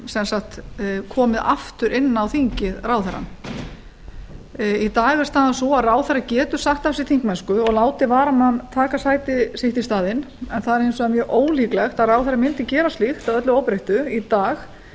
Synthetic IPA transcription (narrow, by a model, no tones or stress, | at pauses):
sɛnsakt̪kʰɔːmɪðaft̪ʏɾʔɪnːawθiɲcɪðraːwθɛɾa̰n | it̪aːɣvɛɾ̥st̪aːðasɔaraːwθɛrːacɛːt̪ʏ̥saxt̪afsɪt̪θʰiŋ̥kmɛnskʏɔɣlaːwt̪ɪvaːɾamant̪ʰaːkasaːjt̪ɪsɪht̪ist̪aːðɪnɛnθaðɛɾejnsɔamjœːʔoːwliːklɛxt̪aðraːwθɛɾrːamɪnt̪ɪcɛːɾast̪lixt̪aðœt̪lʏowpɾejht̪ʏit̪aːx